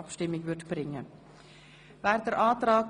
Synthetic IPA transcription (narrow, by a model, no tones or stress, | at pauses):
ɑpʃtɪmːɪɡvʏdb̥rɪŋə | vaːɾd̪əɾʔɑːtɾɑːk